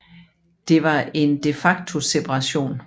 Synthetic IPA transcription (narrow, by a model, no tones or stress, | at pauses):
d̥e̝ʋɑ̈e̝nd̥e̝fɑ̈ɡ̥̚t͡sʰo̝sepʰɑʁɑ̈ɕo̝̰ːn